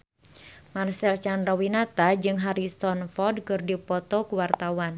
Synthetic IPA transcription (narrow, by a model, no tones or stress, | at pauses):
marsɛlt͡ʃandɾɔwinat̪ad͡ʒɨŋɦaɾisɔnfɔd̚kɨrdipɔt̪ɔkuwart̪awan